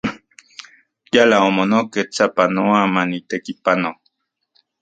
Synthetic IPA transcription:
jalaomonoket͡sapanoamanit̪ekipano

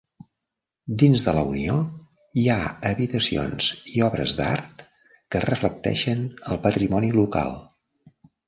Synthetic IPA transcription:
d̪inzðələunio | iaəβit̪əsio̰nz̥iɔβɾə̰zd̪a̰ɾt̪ | kərəflək̚t̪ɛ̰ʃənəlˠpət̪ɾimɔniluka̰lˠ

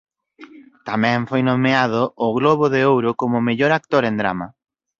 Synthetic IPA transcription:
t̪amɛ̃ɱfojnomeaðʊːɣloβʊðeowɾʊkomʊmeʎoɾak̚t̪oɾend̪ɾa̰mɐ

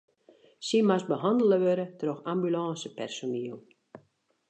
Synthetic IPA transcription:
simasbəɦɑndələʋøɾətəroxambylaːsəpɛrsoniəlˠ

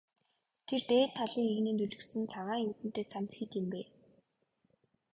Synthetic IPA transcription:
t̪ʰert̪eːt̪ʰːaɮiːŋeɣnɘ̆ːnt̪ɵɮɵ̆ksɘ̆nt͡sʰaʁaːŋjut̪ɘ̆n̥t̪eːt͡sʰamt͡sxiːt̪ɪ̆mpeː

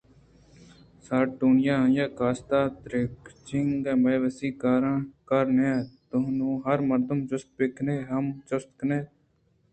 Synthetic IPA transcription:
saːʈuːnɪjãːjãːkaːst̪aːt̪ɾɪkt͡ʃɪŋɡɛ̃ːməːʋəsiːkaːɾãːkəɾnẽːt̪ʊnũːɦəɾməɾd̪əmt͡ʃʊst̪̚peːkʰneːɦəmt͡ʃʊst̪kneː

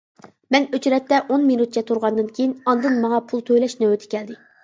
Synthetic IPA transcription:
mɛnøt͡ʃɾɛt̪ːɛʔonminut̪̚t͡ʃʰɛt̪ʰuɾʁɑnd̪ɨnkʲʰejinɑnd̪ɨnmɑŋɑpʰulˠt̪ʰøjlɛʃnyøt̪ʰɪ̥kʲɛld̪ɪ

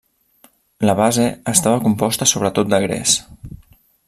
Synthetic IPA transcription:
ləβazeəst̪aβəkumpɔst̪əsoβɾət̪ot̪̚d̪əɣɾɛ̰s

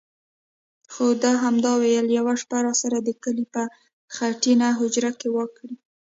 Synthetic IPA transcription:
xod̪ɑɦamd̪ɑwejəljawaʂpaɾɑsaɾad̪əkəlipə | xaʈinaɦʊd͡ʒɾakewəkɽi

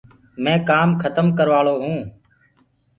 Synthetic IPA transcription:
mɛ̃ːkaːmkʰət̪əmkəɾʋaːɭoːɦũː

